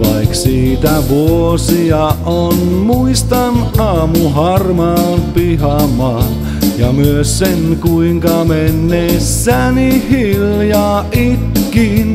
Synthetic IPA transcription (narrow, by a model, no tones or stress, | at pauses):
ʋɑiksiːt̪æʋuosiɑ | on | muist̪ɑnɑːmuhɑrmɑːnpihɑmɑːn | jɑmyøssenkuiŋkɑmenːesːænihiljɑːʔit̪kin